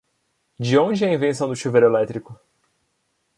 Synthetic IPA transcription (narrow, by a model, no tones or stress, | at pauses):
d͡ʒɪõd͡ʒɪɛɐĩvẽsɐ̃w̃d̪ʊʃuveɾʊelɛt̪ɾikʊ